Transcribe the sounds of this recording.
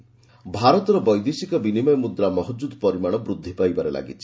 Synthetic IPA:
bʱaɾɔt̪ɔɾɔbɔjd̪isikɔbinimɔjmud̪ɾamɔɦɔd͡ʒud̪ɔpɔɾimaɽ̃ɔbɾud̪ʱːipajbaɾelʔa̰ɡit͡ʃʰi̥

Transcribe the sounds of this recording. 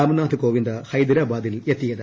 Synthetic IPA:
aːmɐnaːt̪ɨkoːʋind̪ɐhɐjd̪iɾaːbaːd̪iljet̪ːijɐðɨ

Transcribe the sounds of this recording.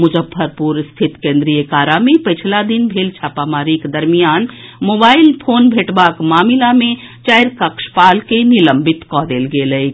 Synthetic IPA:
mʊd͡ʒəbʰʱːəɾpuɾst̪ʰɪt̪kẽːnd̪ɾijəkaːɾamẽpət͡ʃʰlad̪inbʱeːlt͡ʃʰaːpamaːɾiked̪əɾmijaːnmoːbaːɪlpʰoːnbʱeːʈbaːkmaːmilamẽ | t͡ʃaɪɾkəkʃpaːlkeniləmbɪt̪kɔːd̪eːlɡeːləj

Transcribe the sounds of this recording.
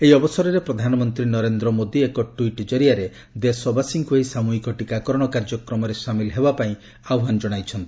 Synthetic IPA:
eiɔbɔsɔɾɔɾepɾɔd̪ʱanɔmɔnt̪ɾinɔɾend̪ɾɔmod̪iekɔʈuiʈd͡ʒɔɾiaɾe | d̪esɔbʱasiŋkuɦejsamuɦikɔʈikakɔɾɔɽ̃ɔkaɾd͡ʒɔkɾɔmɔɾesamilɦebapaĩ | awɦand͡ʒɔɽ̃ajt͡ʃʰɔnt̪ii̥

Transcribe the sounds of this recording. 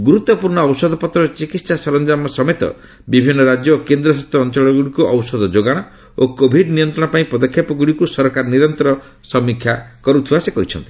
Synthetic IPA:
ɡuɾut̪ːɔpuɾɳɔːwsɔd̪ʱɔpɔt̪ɾɔt͡ʃikit̪sasɔɾɔnd͡ʒamɔsɔmet̪ɔ̰ | bibʱinːɔɾad͡ʒjɔːkend̪ɾɔsast̪ʰɔːnt͡ʃɔɭɔɡuɽikuʔɔwsɔd̪ɔd͡ʒoɡaɽ̃ɔ | okobʱiɖnijɔnt̪ɾɔɽ̃ɔpaĩpɾɔd̪ɔkʰːjapɔɡuɽikusɔɾɔkaɾɔniɾɔnt̪ɔɾɔ | sɔmikʰjakɔɾut̪ʰiwasekɔɦit͡ʃʰɔnt̪i̥

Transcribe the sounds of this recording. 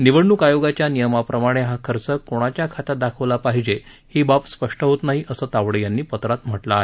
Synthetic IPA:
niʋəɽːukajoɡat͡ɕjanijəmapɾəmaɽ̃eɦakʰəɾt͡səkːoɽ̃at͡ɕjakʰat̪ad̪akʰəʋlapaɦid͡ʑe | hibapspəʂʈəɦot̪naɦiʔəsəːt̪aʋɽəjanːiːpət̪ɾat̪m̤əʈlaːɦe

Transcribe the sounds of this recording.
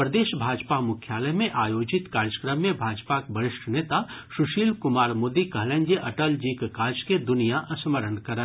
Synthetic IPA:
pɾəd̪eːʃbʱaːd͡ʒpamʊkʰjaːləjmẽʔaːjoːd͡ʒɪt̪kaːɾjəkɾəmːẽbʱaːd͡ʒpakbəɾɪʃʈʰneːt̪aʃʊʃiːlkʊmaːɾmoːd̪ikɐɦlẽːnd͡ʒeʔɐʈəld͡ʒiːkkaːd͡ʒked̪ʊnijaʔʔɐsməɾənkɐɾə

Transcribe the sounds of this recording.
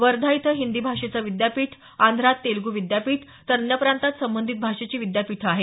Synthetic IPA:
ʋəɾd̪ʱait̪ʰəɦind̪iːbʱaʂet͡saʋid̪japiːʈʰ | and̪ʱɾat̪ːelɡuʋid̪japiːʈʰ | t̪əɾnjəpɾant̪at̪səmbənd̪ʱit̪̚bʱaʂet͡ɕiːʋid̪japiʈʰəaɦe

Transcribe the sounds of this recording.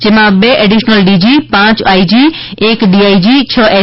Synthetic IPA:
d͡ʒemãbeʔeɖiʃnəlɖid͡ʒipãt͡ʃaːid͡ʒi | eːkɖiaːid͡ʒit͡ɕʰəʔe

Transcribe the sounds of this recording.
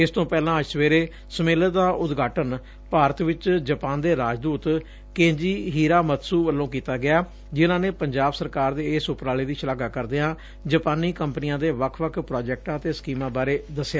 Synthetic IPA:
ɪst̪õːpɛːlãːsʋeːɾeː | səmeːləd̪aːʔʊt̪ɡʱaːʈən | paːɾət̪ʋɪt͡ʃd͡ʒəpaːnd̪eːɾaːd͡ʒd̪uːt̪ | kẽːɲd͡ʒiːɦiːɾaːmət̪suːʋəlːõːk̬iːt̪aːɡɪjaː | d͡ʒɪnãːneːpəɲd͡ʒaːbsəɾkaːɾd̪eːɪsʊpɾaːleːd̪iːʃəlaːɡaːkəɾd̪eːãː | d͡ʒəpaːnːiːkəmpnɪãːd̪eːʋəkʰʋəkʰpɾaːd͡ʒɛːk̚ʈãːət̪eːsə̥kiːmãːbaːɾeːd̪əsjaː

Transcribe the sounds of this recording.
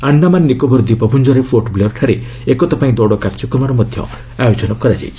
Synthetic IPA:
anːamanːikɔbɔɾd̪ipɔpʰund͡ʒɔɾepʰoʈbleɾʈʰaɾe | ekɔt̪ɔpaĩd̪ɔɽɔkaɾt͡ʃɔkɔmaɾɔmɔd̪ʱjɔ̰ | ajod͡ʒɔnɔkɔɾad͡ʒa̰j

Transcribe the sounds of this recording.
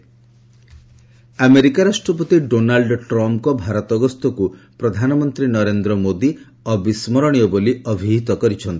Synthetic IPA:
ameɾikaɾasʈɾɔpɔt̪iɖonalɖʈɾɔmpkɔbʱaɾɔt̪ɔɡɔst̪ɔkupɾɔd̪ʱanɔmɔnt̪ɾinɔɾend̪ɾɔmod̪i | ɔbismɔɾɔɽ̃ijɔboliɔbʱiɦit̪ɔkɔɾit͡ʃʰɔnt̪i̥

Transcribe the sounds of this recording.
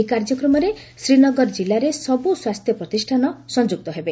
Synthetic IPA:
kaɾd͡ʒɔkɾɔmɔɾe | sɾinɔɡɔɾɔd͡ʒilːaɾesɔbuswast̪ʰjɔpɾɔt̪isʈʰanɔsɔnd͡ʒuk̚t̪ɔɦebe

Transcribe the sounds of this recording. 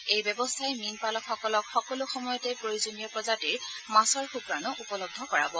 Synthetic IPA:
ejbɛbɔstʰajminpalɔkxɔkɔlɔkxɔkɔlʊxɔmɔjɔtɛpɹojuzonijɔpɹɔzatiɹmasɔɹxupɹanɔʔupɔlɔb̚d̪ʱɔkɔɹa̰bɔ

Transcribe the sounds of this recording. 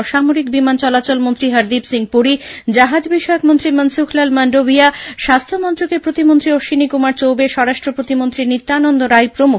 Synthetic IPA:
ʃamoɾikbimant͡ɕɔlat͡ɕolmont̪ɾiɦəɾd̪ibsiŋpuɾid͡ʑaɦad͡ʑbiʃɔeokmont̪ɾimənsukʰlalmaɳɖobiaʃast̪ʰomɔnt̪ɾokepɾot̪imont̪ɾioʃinikumaɾt͡ɕowbeʃɔɾaʃʈɾopɾot̪imont̪ɾinit̪ːaːnond̪oɾajpɾomu

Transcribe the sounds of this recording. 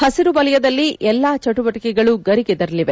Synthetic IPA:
hɐsiɾubɐlɐjɐd̪ɐlːiʔɛlːaːt͡ʃɐʈubɐʈikɛɡɐɭuɡɐɾiɡɛd̪ɐɾɐliʋe

